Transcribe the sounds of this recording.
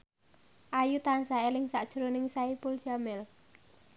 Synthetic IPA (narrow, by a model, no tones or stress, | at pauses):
ʔajut̪ansaelɪŋsaʔd̥ʒ̥uɾonɪŋsaipʊlʒ̥a̤mɪl